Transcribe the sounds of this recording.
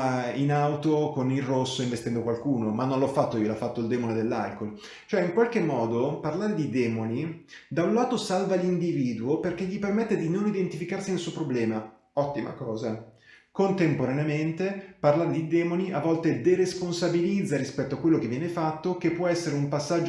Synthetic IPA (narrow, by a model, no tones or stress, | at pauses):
inawt̪okonilrosːoiɱvest̪ɛnd̪okwalkuːnomanːonlɔfːat̪ːoiolafːat̪ːoild̪ɛmoned̪elːa̰lkol | t͡ʃoɛiŋkwalkemːɔːd̪oparlaːɾed̪id̪ɛːmonid̪aunlaːt̪osalvalind̪iviːd̪uoperkeʎːipermet̪ːed̪inonid̪ent̪ifikarsinelsuopɾoblɛːma | ɔt̪ːima̰kɔːza | kont̪empoɾaneament̪eparlaːɾed̪id̪ɛːmoniavːɔlt̪ed̪eɾesponsabilid̪zːaɾispɛt̪ːoakwelːokevːjɛnefat̪ːokepːwɔɛsːeɾeumpasːad͡ʒo